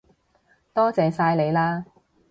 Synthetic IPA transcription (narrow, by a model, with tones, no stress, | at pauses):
t̪ɔː˥t͡sɛː˨˧saː˧jle˨˧jlaː˥